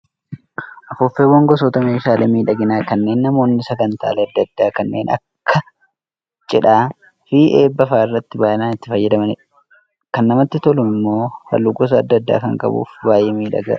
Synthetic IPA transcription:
ʔɐfʊfːeːwːɐŋɡɔs̬oːt̪ɐmeːʃaːlemiːᶑɐɡɪnaːkɐnːe̞ːnːɐmo̞ːnːɪsɐɡɐnt̪a̰ːleɐd̪ːɐd̪ːaːkɐnːe̞ːnʔɐ̰kʰːɐ | t͡ʃʼɪᶑaː | fiːʔeːbːɐfaːɪrːɐt̪ːɪbaːʔɪnaːnɪt̪ːɪfɐjːɛd̪ɐmɐnɪᶑ | kɐnːɐmɐt̪ːɪt̪ɔlʊɪmːo̞ːfɐ̰lːuɡɔs̬ɐːd̪ːɐd̪ːa̰ːkɐŋkʼɐ̰bṵːfbaːjeːmiːᶑɐ̰ɡɐ̰

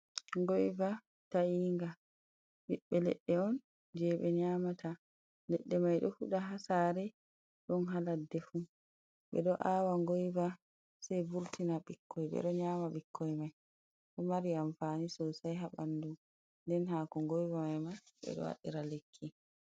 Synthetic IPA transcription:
ŋɡɔjva | taiːŋɡa | biɓːɛlɛ̰ɗːɛɔn | d͡ʒɛɓɛɲaːmatʰa | lɛɗːɛmajɗɔhuɗaɦasaɾɛ | ɗɔnɦaladːɛfu | ɓɛ̰ɗɔʔawaŋɡɔjva | sajbuɾtinaɓikʰːɔjɓɛ̰ɗɔɲaːmaɓikʰːɔjmaj | ɗɔmaɾiaɱfanisɔsajɦaɓandu | ndɛnɦakɔŋɡɔjvamajmajɓɛ̰ɗɔ̰wa̰ɗḭɾalekʰːi

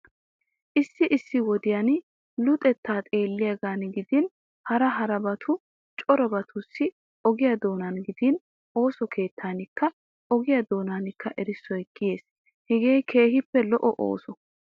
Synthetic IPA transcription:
ʔɪsːɪʔɪsːɪwɔd̪ɪjan | lʊt̪ʼɛt̪ːaːt̪ʼe̞ːlːɪjɐɡaːnɡɪd̪ɪn | hɐɾɐɦɐɾɐbɐt̪ʰʊ | t͡ʃʼɔɾɔbɐt̪ʰʊsːɪ | ɔɡɪjɐd̪o̞ːnanɡɪd̪ɪn | ʔo̞ːsɔkʰe̞ːt̪ːaːnɪkːɐ | ʔɔɡɪjɐd̪o̞ːnaːnɪkːɐʔɛɾɪsːɔjɡɪje̞ːs | hɛɡeːjkʰe̞ːɦɪpːɛlɔʔɔʔo̰ːsɔ

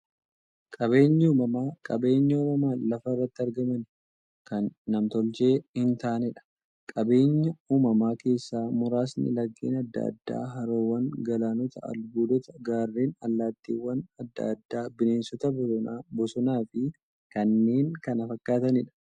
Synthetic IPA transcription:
kʼɐβe̞ːɲːɐuːmɐmaːkʼɐbe̞ːɲːɐuːmɐmaːlɐfɐɪrːɐt̪ːɪɐɾɡɐmɐn | kɐnːɐmt̪ɔld͡ʒe̞ːhɪnt̪aːnɛᶑɐ̥ | kʼɐbe̞ːɲːɐuːmɐmaːke̞ːsːaːmʊɾaːsnɪ̰lɐɡːḭːnɐd̪ːɐ̰d̪ːa̰ːɦɐɾoːwɐŋɡɐlaːnɔt̪ɐɐ̰lbuːd̪ɔt̪ɐɡaːrːiːnɐlːaːt̪ːḭːwːɐnɐd̪ːɐ̰d̪ːaːbɪne̞ːnsɔt̪ɐbɔsɔnabɔsɔnaːfɪ | kɐnːe̞ːŋkɐnɐfɐkːaːt̪ɐnɪᶑɐ̥

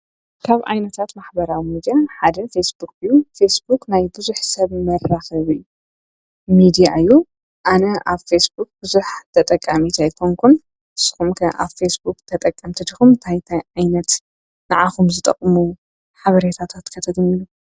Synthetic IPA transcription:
kʰaβʔa̰jnɐt̪ʰat̪maħbɐɾawimid̪ijaħad̪ɐfesbukɨjːufesbuknajbɨzuħsɐβmɐrːaxɐβɨjːu | mid̪ijaɨjːu | ʔanɐʔaβfesbuk̚bɨzuħt̪ʰɐt̪ʼɐkʼːamit̪ʰajkʰoŋkʰun | ɨsːɨ̥xumkʰɐʔa̰βfesbukt̪ʰɐt̪ʼɐkʼːɐmt̪ʰɨd̪ixumt̪ʰajt̪ʰajʕajnɐt̪ | naʕaxumzɨt̪ʼɐ̰kʼːmu | ħaβɐɾet̪ʰat̪ʰat̪kʰɐt̪ʰɐɡniju

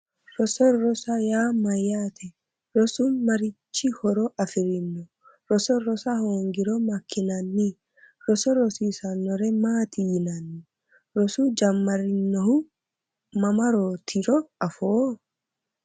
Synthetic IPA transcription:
ɾɔsɔɾɔsajaːmɐjat̪ʰɛ | ɾɔsumɐɾɪt͡ʃːihɔɾɔʔɐfɪɾɪnːɔ | ɾɔsɔɾɔsahoŋɡɪɾɔmɐkʰːɪnɐnːi | ɾɔsɔɾɔsiːsɐnːɔɾɛmaːt̪ijnɐnːi | ɾɔsud͡ʒɐmːɐɾɪnːɔhu | mɐmɐɾot̪ʰiɾɔɐfoː

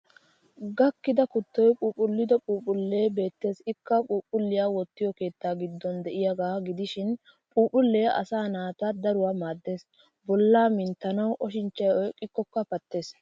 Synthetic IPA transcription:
ɡɐkːɪd̪ɐkʊt̪ːɔjpʼuːpʼːʊlːɪd̪ɔpʼuːpʼʊlːeːbe̞ːt̪ːe̞ːsɪkːɐpʼuːpʼːʊlːɪjaːwɔt̪ːɪjɔke̞ːt̪ːaːɡɪd̪ːɔnd̪ɛʔɪjaɡaːɡɪd̪ɪʃɪn | pʼuːpʼʊlːeːʔɐ̰saːnaːt̪ad̪ɐɾʊwaːmaːd̪ːe̞ːs | bɔlːaːmɪnt̪ːɐnɐwʔɔʃɪnt͡ʃːɐjɔjkʼɪkːɔkːɐpɐt̪ːe̞ːs

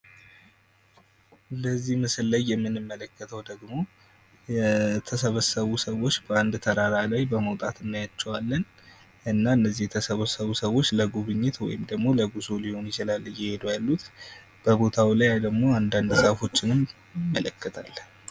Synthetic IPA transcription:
ləzːihmɨsɨlːəjːɛmːɨnɨmːələkːət̪ʰəwd̪əɡmo̞ | jɛt̪ʰəsəβəsəβusəwo̞t͡ʃːbəand̪t̪ʰəɾaɾalajbəməwt̪ʼat̪ɨnːajat͡ʃːɛwalːən | ʔɨnːaɨnːəzːijɛt̪ʰəsəβəsəβusəwo̞t͡ʃːləɡuβɨɲːɪt̪wɔ̰jɪmd̪əɡmo̞ləɡuzulihonjɪt͡ʃilalːɨjɪhe̞d̪ujalːut̪ | b̥əbo̞t̪ʰawilajad̪əɡmo̞and̪and̪səfo̞t͡ʃːɪnɨm | mːələkːət̪ʰalːən

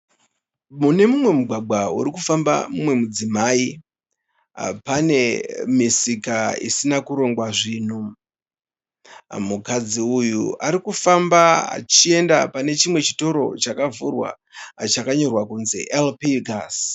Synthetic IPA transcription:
mune̞mumwe̞muɡʱwaɡ͡baṵɾikufamba̰mumwe̞mud͡zimaːi | pane̞misikaḭsinakuɾo̞ŋɡwaʐiːn̤u | mukad͡ziujṵaɾikufambaa̰t͡ʃie̞ndapane̞t͡ʃimwe̞t͡ʃi̥to̞ɾo̞̰t͡ʃakavurwa̰ | t͡ʃakaɲo̞rwakunzḛʔelpiɡas

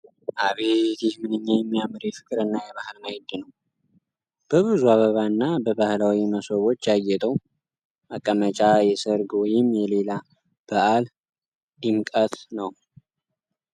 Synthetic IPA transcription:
ʔaβet̪jɛhmɨnɨɲːajɛmːijamɨɾjɛfɨ̥kʼɨɾɨnːajɛβahɨlnahɪd̪ɨnəw | b̥əβɨzuaβəβaɨnːabəβahlawiməsoβo̞t͡ʃːjajːɛt̪ʼəw | ʔakʼːəmət͡ʃʼajɛsɨɾɡwɔjɪmːjɛle̞la | b̥əʔal | d̪imkʼət̪nəw

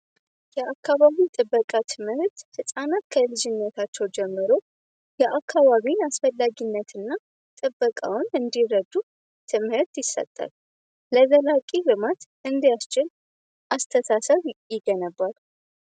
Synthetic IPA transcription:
jɛakːaβaβit̪ʼɨbːəkʼat̪ʰɨmhɨɾt̪hɨsʼanat̪kʰəlɨd͡ʒɪnːət̪ʰat͡ʃːɛwd͡ʒɛmːɨɾo | jɛʔakʰːaβaβiasfəlːaɡinːət̪ʰɨnːa | t̪ʼɨbːəkʼa̰wnɨnd̪iɾəd̪u | t̪ʰɨmhɨɾt̪jɪsːə̰t̪ʼːa̰l | ləzəlakʼirɨmat̪ʔɨnd̪ijast͡ʃɪl | ʔast̪ʰəsasəβjɪɡənəbːal

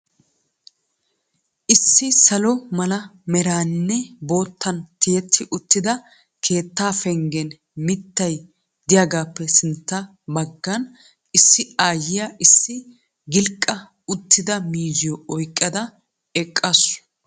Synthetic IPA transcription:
ʔɪsːɪsɐlɔmɐlɐmɛɾaːnːɛbo̞ːt̪ːɐnt̪ɪjɛt̪ʰːɪʔʊt̪ːɪd̪ɐ | kʰe̞ːt̪ːaːfɛŋɡɛn | mɪt̪ːɐj | d̪ɪjaːɡaːpːɛsɪnt̪ːɐ | bɐɡːɐn | ɪsːɪaːjɪjaʔɪsːɪ | ɡɪlkʼːɐ | ʊt̪ːɪd̪ɐmiːzɪjɔɔjkʼːɐd̪ɐ | ɛkʼːasʊ̥

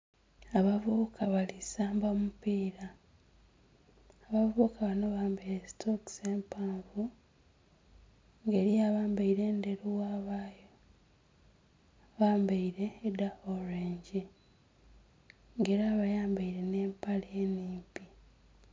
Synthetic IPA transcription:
aβavukʰaβalisaːmbamupiːɾa | aβavukaβano̞βaːmbaɾestʰokseːmpaːɱvu | ŋɡe̞ɾijaːβaːmbaiɾe̞ːnde̞ɾuwaːβaːjo | βaːmbaiɾe̞ːdahoɾeːɲɟi | ŋɡe̞ːɾaβajaːmbaiɾe̞ne̞ːmpalieːniːmpi

